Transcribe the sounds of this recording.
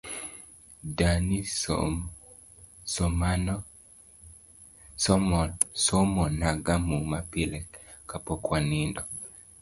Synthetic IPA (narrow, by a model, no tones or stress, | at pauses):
dani | sɔmn | ssɔmɔnaɡamumapilɛkkapɔkwanindɔ